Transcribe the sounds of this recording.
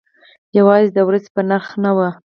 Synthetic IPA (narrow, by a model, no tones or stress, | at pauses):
jawɑzed̪əwɾazepənaɾxnawə